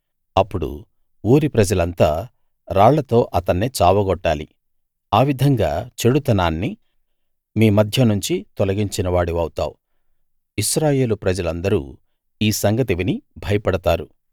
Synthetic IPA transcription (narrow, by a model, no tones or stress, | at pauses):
ɐpːuɽṵ | uːɾipɾɐd͡ʒɐlɐnt̪aː | ɾaːɭːɐt̪o̞ːʔɐt̪ɐnːeːt͡ʃaːʋɐɡɔʈːaːlḭ | aːʋid̪ʱɐŋɡa̰ːt͡ʃe̞ɽut̪ɐnaːnːi | miːmɐd̪ʱjɐnuɲt͡ʃit̪ɔlɐɡiɲt͡ʃinɐʋaːɽiʋɐwt̪a̰ːwu | iʃɾaːje̞ːlupɾɐd͡ʒɐlɐnd̪ɐɾṵː | iːsɐŋɡɐt̪iʋinibʱɐjɐpɐɽɐt̪aːɾu